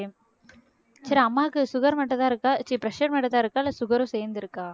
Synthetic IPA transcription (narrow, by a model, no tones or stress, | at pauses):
sɐɾiɐmːaːkːɯsʊɣɐɾmɐʈːɐ̃t̪ãːɪɾɯkːaːt͡ʃːipɾɐʂɐɾmɐʈːɐ̃t̪aːɪɾɯkːaːɪlːɐsʊɣɐɾʊ̃sɛːɾnd̪ɪɾɯkːaː